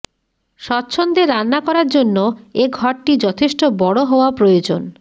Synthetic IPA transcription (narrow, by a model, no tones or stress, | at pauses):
ʃɔtːɕʰond̪eɾːanːakɔɾaɾd͡ʑonːoeɡʱɔɾʈid͡ʑɔt̪ʰeʃʈobɔɽoɦɔoapɾojod͡ʑon